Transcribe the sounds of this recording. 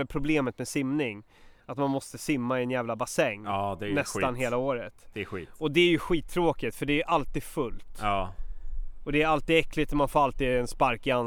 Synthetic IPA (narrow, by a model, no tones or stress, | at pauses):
ɛpʰɾʊbleːmət̪mɛsɪmnɪŋ | at̪manmɔst̪əsɪmːaɪɛnjæːvlabasɛŋːd̪ɛnɛsanɦeːlaoːɾət̪d̪ɛɧḭːɔd̪ɛæɾjɵɧiːt̪ʰːɾoːkɪt̪fœɖɛæjɵʔalt̪iːd̪fɵlt̪ː | ɔd̪ɛːɾalt̪iːd̪ɛklɪt̪ɔmanfoːɾalt̪iːd̪ɛnspaɾkɪan